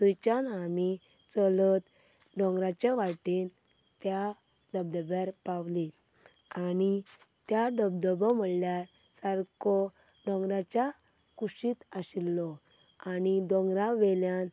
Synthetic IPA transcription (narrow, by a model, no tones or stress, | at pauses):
t̪ujt͡ɕanamit͡səlɔt̪ | ɖɔ̃ŋɡɾat͡ɕaʋaʈint̪jaɖəb̚d̪əbjaɾpawlianit̪jaɖəbd̪əbəm̤əɽljaɾsaɾkɔɖɔ̃ŋɡɾat͡ɕa | kuɕiːt̪aɕilːɔanid̪ɔŋɡɾaʋeljan